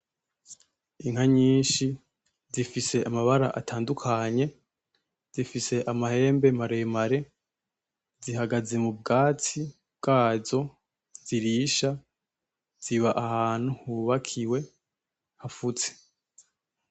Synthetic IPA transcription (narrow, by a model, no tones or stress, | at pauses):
iŋ̥haɲiːnʃi | zifise̞ʔamaβaɾaʔa̰tʰaːndukʰaɲe̞ | z̥ifise̞ʔamahe̞ːmbe̞maɾe̞maɾe̞ | ziɦaɡaze̞mub̚ɡaːt͡si | b̚ɡ̥aːzo̞ | z̥iɾiːʃa | z̥iβaʔahaːn̥uhuβakʰiwe̞ | hafut͡se̥